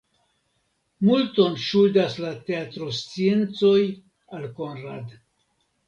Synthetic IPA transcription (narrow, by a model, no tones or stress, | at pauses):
multo̞nʃudaslate̞atɾost͡sie̞nt͡so̞j | alko̞nɾa̰d